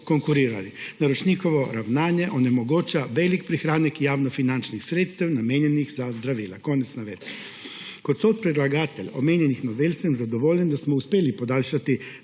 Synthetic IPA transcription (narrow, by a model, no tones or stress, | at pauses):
koŋkuɾiːɾalinaɾɔt͡ʃniːxɔʋɔɾawnaːnjɛʔɔnɛmɔɡoːt͡ʃaʋɛːlikpɾixɾaːnakjaːwnɔfinant͡ʃnixsɾeːt̪st̪ɛwnameːnjɛnixzazd̪ɾaʋiːlakoːnɛt̪snaʋeːt̪ | kɔt̪sot̪̚pɾid̪laɡaːt̪ɛlʲɔmeːnjɛnixnɔʋeːlʲsɛmzad̪ɔʋoːlʲjɛnd̪asmɔuspeːlipɔd̪aːlʃat̪i